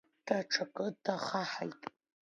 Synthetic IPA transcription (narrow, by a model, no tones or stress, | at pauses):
d̥aʈ͡ʂʰakʼɨdaχaħa̰jtʼ